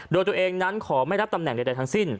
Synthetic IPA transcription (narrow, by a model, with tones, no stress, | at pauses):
doː˧jt̪u˧ɐ˧ʔeː˧ŋna˦˥nkʰɔː˩˦ma˥˩jɾp̚t̪a˧mnɛ˨˩ŋda˧jda˧jt̪ʰŋsi˥˩n